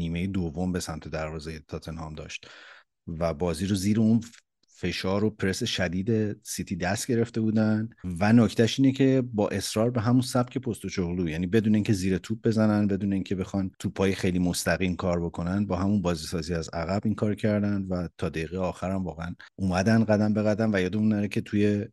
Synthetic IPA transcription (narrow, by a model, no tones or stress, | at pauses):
niːme̞jed̪ovːombe̞sæmt̪ʰe̞d̪æɾvɒːzejet̪ʰɒt̪ʰe̞nhɒːmd̪ɒ̰ːʃt̪ | væbɒːziːɾoziːɾeun | fe̞ʃɒːɾopʰɾe̞seʃæd̪iːd̪e̞sit̪ʰiːd̪æst̪̚ɟe̞ɾe̞ft̪e̞buːd̪ænvænocʰt̪ʰæʃiːne̞cʰe̞bɒːʔe̞sɾɒːɾbe̞ɦæmunsæbcʰe̞pʰo̞st̪ot͡ʃoɣluːjæːniːbe̞d̪uːneiːŋcʰe̞ziːɾet̪ʰuːb̚be̞zænænbe̞d̪uːne̞iːŋcʰe̞be̞xɒnt̪ʰupʰɒːjexe̞jlimo̞st̪æɣiːmkʰɒːɾbo̞kʰo̞nænbɒːɦæmunbɒːzisɒːziæzæɣæbiːŋkʰɒːɾcʰæɾd̪ænd̪væt̪ʰɒːd̪eiɣejɒːxæɾæmvɒːɣeæn | ʔumæd̪ænɢæd̪æmbe̞ɣæd̪ænvæjɒːd̪eunːæɾecʰe̞t̪ʰuje̞